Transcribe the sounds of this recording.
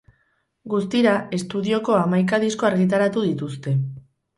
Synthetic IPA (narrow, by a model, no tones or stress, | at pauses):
ɡust̪iɾae̞st̪uðio̞ko̞amajk̬aðisko̞aɾɣit̪̬aɾat̪uðit̪ust̪e̞